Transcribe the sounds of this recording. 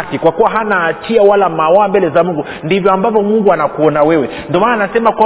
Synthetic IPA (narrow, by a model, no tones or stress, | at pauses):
kikwakuwaɦanaːt͡ʃiawalamawambɛlɛzamuŋɡu | ndivjɔambavɔmuŋɡuanakuɔnawɛwɛ | ndiɔmananasɛmakwa